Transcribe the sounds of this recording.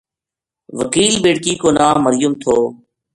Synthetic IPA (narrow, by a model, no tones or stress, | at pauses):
ʋəkiːlbeːɽkiːkoːnaːəɾɪjʊmt̪ʰoː